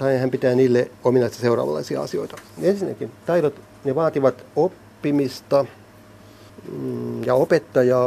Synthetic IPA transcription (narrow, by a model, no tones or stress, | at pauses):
t̪ɑehæmpit̪æːniːlːeominɑist̪ɑseurˑɑ̰ːʋɑ̰lːˑɑ̰isiɑ̰ɑ̰sio̰it̪ɑ̥ensinːˑæ̰kint̪ɑiɾot̪ | neʋɑːt̪iʋɑt̪opːimist̪ɑ | jɑopet̪ːɑjɑː